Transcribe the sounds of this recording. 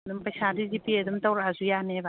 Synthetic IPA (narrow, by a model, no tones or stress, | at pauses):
dumpɐjsadizipiadumtawɾazujaneba